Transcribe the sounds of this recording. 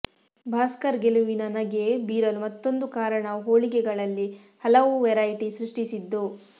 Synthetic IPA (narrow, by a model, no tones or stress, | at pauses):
bʱaːskɐɾɡeluʋinɐnɐɡebiːɾɐlmɐt̪ːo̞nd̪ukaːɾɐɳɐɦoːɭikɛɡɐɭɐlːi | hɐlɐʋuʋɛɾɐjʈisɾiʂʈisid̪ːu